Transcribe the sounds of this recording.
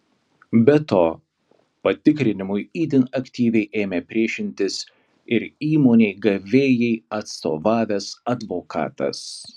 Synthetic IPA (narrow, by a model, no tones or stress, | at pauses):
bʲɛt̪oː | pɐt̪ʲɪkɾʲɪnʲɪmʊɪiːd̪ʲɪnɐkt̪ʲiːʋʲɛɪʔeːmʲeːpʲɾʲiɛʃʲɪnʲt̪ʲɪs | ɪɾiːmoːnʲɛɪɡɐʋʲeːjɛɪɐt̪st̪o̰ːʋɑːʋʲɛsɐd̪ʋoːkɑ̰ːt̪ɐ̰s